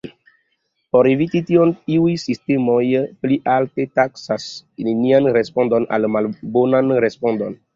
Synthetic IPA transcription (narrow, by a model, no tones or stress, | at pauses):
poɾevititioniujsistemojpliʔaltetaksasnenianɾespondona̰lmalbonanɾespondon